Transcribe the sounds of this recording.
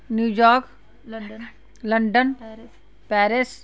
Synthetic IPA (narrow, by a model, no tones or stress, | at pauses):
njuːjɔːɾk | lɐ̃ɳɖən | pɛːɾɪs